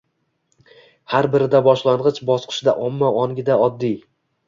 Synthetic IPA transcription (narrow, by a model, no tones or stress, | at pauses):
haɾbɪɾɪd̪abɒʃlˠanʁɨt͡ʃbɒsqʰɨ̥ʃd̪a̰ʔɒmːaɒŋɡʲɪd̪aɒd̪ːij